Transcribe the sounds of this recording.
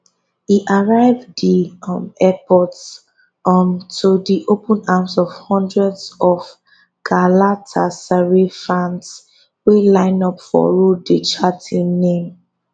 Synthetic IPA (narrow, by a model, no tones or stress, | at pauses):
hiʔaɹaɪvdimɛpʰɔts | ɔmtʰudiʔopʰə̃namsɔvhɔ̃ndɹɛdsɔv | ɡ̥alatʰasaɹefãns | welãɪ̃nɔpfɔ̰ɹodet͡ʃatʰĩŋnẽm